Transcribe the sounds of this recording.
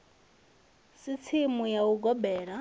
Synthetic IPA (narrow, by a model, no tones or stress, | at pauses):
sit͡sʰimujauɡɔbɛːɺa